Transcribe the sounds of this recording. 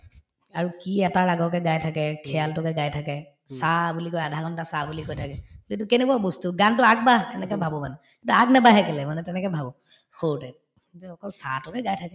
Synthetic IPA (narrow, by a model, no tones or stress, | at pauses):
aɹukiɛtaɹaɡɔkɛɡajtʰakɛkʰɛjaltɔkɛɡajtʰakɛ | sabulikojadʱaɡɔntasabulikojtʰakɛlitʊkenekuabostuɡantʊaɡ̚batɛnɛkɛbʱabɔmanɛ | kitʊaɡnabaɦɛkɛlɛmanɛtɛnɛkɛbʱabɔ | xotɛ | zɔkɔlsatʊkɛɡajtʰakɛ